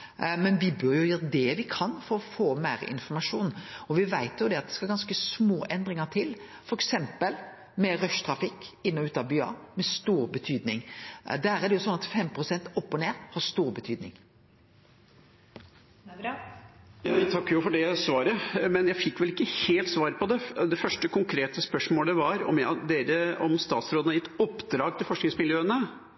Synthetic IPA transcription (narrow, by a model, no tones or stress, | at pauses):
mɛnʋɪbœɾjʊjøːɾəd̪ɛʋɪkʰɑnfɔɾɔfoːmæɪɾɪ̰nfɔɾmɑʂuːnɔʋɪʋæɪt̪jʊd̪ɛɑt̪̚d̪ɛ̥skɑɡɑnskəsmoːʔɛnd̪ɾɪŋəʈ̪ʰɪl | fɔɾɛksɛmpəl | mɛɾœʂt̪ɾɑfɪkːɪnːɔʉːt̪ɑbyːɑ̰ːmɛst̪uːɾbət̪ʰyːd̪nɪŋd̪æːɾɛd̪ɛjʊsɔnːɑt̪fɛmpɾʊsɛnt̪ɔpːɔneːɾhɑst̪uːɾbət̪ʰyːd̪nɪ̰ŋ | jɑːʋæt̪ʰɑkːəjʊfɔɖɛsʋɑːɾəmɛnjæɪfɪkːʋɛlɪkːəheːlt̪sʋɑːɾəpɔd̪ɛd̪ɛfœʂʈəkʰʊŋkʰɾeːt̪əspœʂmoːlɛʋɑɾɔ̰mjæd̪eːɾəɔmst̪ɑːt̪sɾoːd̪nɑɾjɪt̪ːɔpːd̪ɾɑːɡt̪ʰɪlfɔʂknɪŋsmɪljøːənə